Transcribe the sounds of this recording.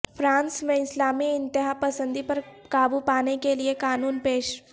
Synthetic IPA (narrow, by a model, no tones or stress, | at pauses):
fʰɾãːnsmẽɪslaːmiɪ̃nt̪ɪɦapɐsə̃nd̪ipɐɾkaːbupaːnekeliekaːnuːnpeːʃ